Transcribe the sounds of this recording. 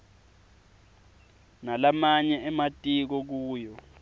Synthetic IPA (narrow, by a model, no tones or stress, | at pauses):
nalamaɲɛɛmatʼik̬ɔk̬uːjɔ